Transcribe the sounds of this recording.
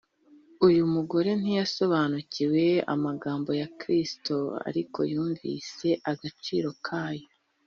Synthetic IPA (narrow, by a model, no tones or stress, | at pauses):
ujumuɡo̞ɾe̞n̥ijaso̞βaːnuciwe̞a̰maɡaːmbo̞jakɾistoa̰ɾikʰo̞̰juːɱvḭse̞ʔaɡat͡ʃḭːɾo̞kʰaːjo